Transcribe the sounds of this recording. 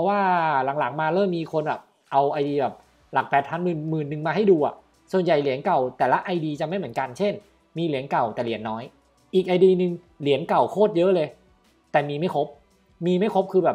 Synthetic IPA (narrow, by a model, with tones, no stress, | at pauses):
pʰɔ˦˥waː˥˩la˩˦ŋla˩˦ŋmaː˧lɤː˥˩mːiː˧kʰo˧nbɛː˨˩p̚ | ʔa˧wʔa˧jdiː˧bɛː˨˩p̚ | la˨˩k̚pɛː˨˩t̪̚ʰaː˦˥nmɯː˨˩nmɯː˨˩nːɯ˨˩ŋmaː˧ɦa˥˩jduː˧ʔa˨˩ʔ | su˨˩ənja˨˩jli˨˩˦ənka˨˩wt̪ɛː˨˩la˦˥ʔa˧jdiː˧t͡ɕa˨ma˥˩jmɯ˩˦nka˧nt͡ɕʰe˥˩n | miː˧li˨˩˦ənka˨˩wt̪ɛː˨˩li˨˩˦ənːɔː˦˥j | ʔiː˨˩k̚ʔaː˧jdiː˧nɯ˧ŋ | li˨˦ənka˨˩wkʰoː˥˩t̪̚jɤ˦˥ʔlɤː˧j | t̪ɛː˨˩miː˧ma˥˩jkʰo˦˥p̚ | miː˧ma˥˩jkʰo˦˥p̚kʰɯː˧bɛː˨˩p̚